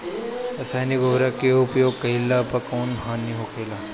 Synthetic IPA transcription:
ɐsaːjniɡʊbɾɐkeʊpjoːɡ̚kɐɦɪlːapɐkoːnɦaːniɦoːkeːlaː

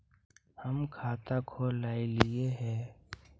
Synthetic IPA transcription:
həmkʰaːt̪akʰoːlaːilɪeɦɛ̃ː

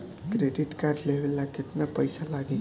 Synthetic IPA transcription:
kɾeɖiʈkarɖleɦelːaket̪napəjsalaɡĩ

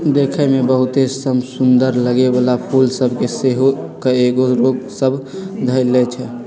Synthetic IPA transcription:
d̪ekʰɛmebəɦut̪esəmsund̪əɾləɡebalapʰulsəbʱkeseɦokeeɡoɾoɡsəbʱd̪ʱəjlɛt͡ʃʰɛ

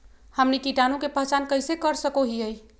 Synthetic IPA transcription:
həmnikiʈanũkepəɦt͡ʃankəɪsekəɾsəkoɦiəj

